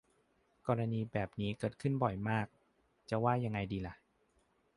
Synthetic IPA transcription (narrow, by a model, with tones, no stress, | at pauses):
kɔː˧ɾa˧niː˧bɛː˨˩p̚niː˦˥kɤː˨˩t̪̚kʰɯ˥˩nbɔ˨˩jmaː˥˩k̚ | t͡ɕa˨˩waː˥˩ja˧ŋːa˧jdiː˧la˧˦ʔ